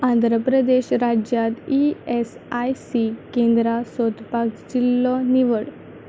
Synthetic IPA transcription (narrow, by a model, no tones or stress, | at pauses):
ãnd̪ʱɾəpɾəd̪eɕɾad͡ʑjat̪ies | ajsikẽnd̪ɾasɔt̪paɡd͡ʑilːɔniʋəɽ